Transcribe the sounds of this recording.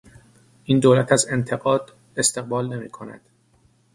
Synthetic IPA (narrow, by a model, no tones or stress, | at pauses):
ʔiːnd̪oːlæt̪ʰæze̞nt̪ʰe̞ɣɒːd̪̥ | e̞st̪e̞ɣ̚bɒːlne̞mḭːkʰonæ̰d̪̥